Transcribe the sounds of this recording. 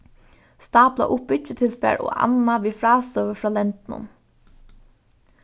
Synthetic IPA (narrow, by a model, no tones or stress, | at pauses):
st̪ɑːpla̰ʔʊpʏət̪ʰɪlspæ̰ːɹʔo̰ːɑ̰naʋiːfɹɑːst̪œːʋəfɾɑːlɛnt̪nʊ̰n